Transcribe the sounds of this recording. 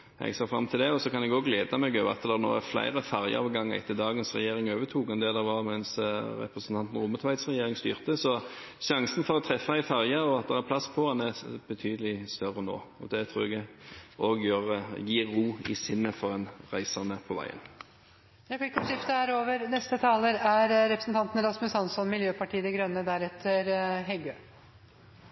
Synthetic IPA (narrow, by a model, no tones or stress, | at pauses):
ʔɛ̰ɡseːfɾɑ̰mt̪ʰɪld̪ɛɔsɔkɑnɛɡoːɡleːd̪ɑmɛɡøːʋɑ̰t̪d̪ɛɾno̰ːæflæ̰ɪɾəfæɾjə̰ɑʋɡɑŋːæ̰ɪt̪ʰːɪld̪ɑːɡənsʁɛ̰jeːɾɪŋøːʋət̪ʰuːkɛnd̪ɛd̪ɛʋɑɾmɛnsɾɛ̰pɾəsənt̪ɑnt̪n̩ʁʊmːət̪ʰʋæɪt̪sʁɛjeːɾɪŋst̪y̰ːʁt̪əsɔ | ʃɑŋsənfɔɾɔt̪ʰɾɛfːɑæɪfæʁjəɾɔɑt̪̚d̪ɛʁæpʰlɑspʰɔhɑnæɾbət̪ʰyːd̪əlɪst̪œɾːəno̰ːɔd̪ɛt̪ʰɾuːɾɛɡoːɡjøːʁjiːuːɪ̰sɪnːəfɔʁɛnʁæɪsəʁnəpʰɔʋæ̰ɪə̰n | j̪ɑflɪkːfɔʂɪft̪əæːɾoːʋəɾnɛst̪ət̪ʰɑːləɾæɾɾɛpɾə̥sn̩t̪ʰɑnt̪n̩ɾɑsmʉsɑnsɔnmɪljøːpʰɑʈiːəd̪ɛɡɾœnːəd̪æɾɛt̪ʰəɾɦɛɡøː